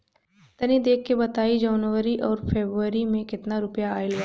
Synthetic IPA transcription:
t̪ɐnid̪eːkʰːebɐt̪aːid͡ʒɔːnʋəɾiʔɔːɾpʰeːbɾəɾimẽkɪt̪naɾʊpjaaːɪla

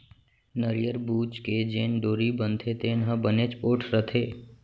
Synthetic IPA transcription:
nəɾijəɾbuːt͡ʃked͡ʒeːnɖoːɾibənt̪ʰet̪enəɦə̃bənet͡ʃpoːʈʰɾət̪ʰeː

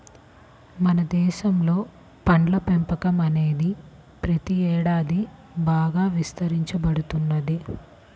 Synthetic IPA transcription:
mɐnɐd̪ɛːʃɐmlo̞ː | pɐɳɖlɐpempɐkɐmɐne̞ːd̪i | pɾɐt̪iɛːɽaːd̪ibaːɡaːʋist̪ɐɾiɲt͡ʃɐbɐɽut̪unːɐd̪i

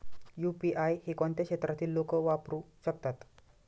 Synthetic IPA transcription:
jupiʔajhekɔɳt̪jakɕet̪ɾat̪iːlːokəʋapɾuːɕək̚t̪at̪

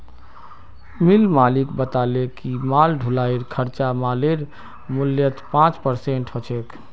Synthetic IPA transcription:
milmalikbət̪alekimalɖʱulaiɾkʰəɾt͡ʃamaleɾ | mʊljət̪ʰpãt͡ʃpəɾseɳʈɦot͡ʃʰek

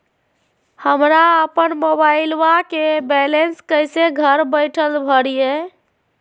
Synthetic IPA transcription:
həmɾaəpənmobaɪlwakebɛlenskəjseɡʱəɾbəɪʈʰəlbʱəɽije

